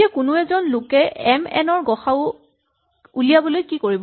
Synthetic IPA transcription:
iakʊnʊɛzɔnlʊkɛɛmɛ̰nɔɹɡɔxaʊ | ulijabɔlojkikoɹib

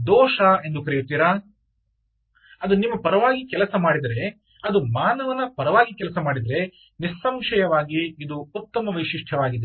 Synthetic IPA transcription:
d̪ɔːʃɐe̞nd̪ukɐɾijut̪ːiːɾaː | ɐd̪unimːɐpɐɾɐʋaːɡikɛlɐsɐmaːɽid̪ɐɾe̞ | ɐd̪umaːnɐʋɐnːɐpɐɾɐʋaːɡikɛlɐsɐmaːɽid̪ɐɾe̞ | nisːɐmʃɐjɐʋaːɡiːd̪uut̪ːɐmɐʋɐjʃiʂʈʰɐʋaːɡid̪e

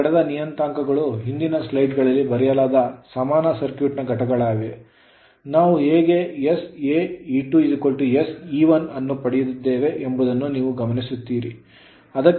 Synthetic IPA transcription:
ɐɽɛd̪ɐnijɐnt̪aːŋkɐɡɐɭuɦind̪inɐslɐjʈɡɐɭɐlːibɐɾɛjɐlaːd̪ɐsɐmaːnɐsɐɾkjuːʈnɐɡɐʈɐɡɐɭaːʋe | naːʋuɦeːɡejeseːiːʈuidikoɭʈujesiːʋɐnɐnːupɐɽijud̪id̪ːe̞ːʋe̞ʔembud̪ɐnːuniːʋuɡɐmɐnisut̪ːiːɾḭ | ɐd̪ɐkː

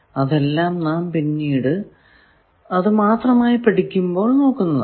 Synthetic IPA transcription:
ɐðe̞lːaːmnaːmpinːiːɽɨ | ɐðɨmaːt̪rɐmaːjipɐʈikʲːumbo̞ːɭno̞ːkːunːɐð

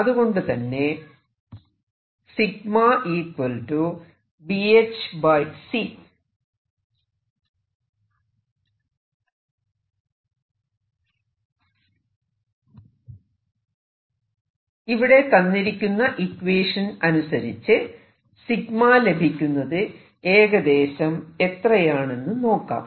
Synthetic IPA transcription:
ɐðuɣo̞ɳɖɨt̪ɐnːe̞ | siɡmaʔiːkwɐlʈu | biet͡ɕbɐjsi | iʋiɽe̞kɐnːiɾikʲːunːɐʔikweːʂɐnɐnusɐɾit͡ɕːɨ | siɡmaːle̞bʱikʲːunːɐðɨ | e̞ːɣɐd̪e̞ːɕɐme̞t̪rɐjaːɳe̞nːɨno̞ːkːa̰ːm

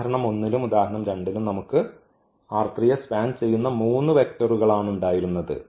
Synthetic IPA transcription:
ɐɾɐɳɐmo̞nːilumud̪aːhɐɳɐmɾe̞ɳɖilumnɐmukːɨ | aːrt̪rijɐspaːnt͡ɕe̞jːunːɐmuːnːɨʋe̞k̚tɐruɣɐɭaːɳuɳɖaːjiɾunːɐðɨ̰

